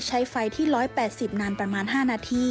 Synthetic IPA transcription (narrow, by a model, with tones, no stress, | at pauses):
t͡ɕʰa˦˥jfa˧jt̪ʰiː˥˩ɾɔː˦˥jpɛː˨˩t̪̚si˨˩p̚naː˧npɾa˧maː˧nɦaː˥˩naː˧˩t̪ʰiː˥˩